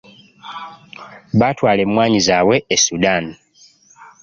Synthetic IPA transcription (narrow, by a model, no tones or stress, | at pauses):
βatwaːle̞mumwaːɲizaːwe̞esudani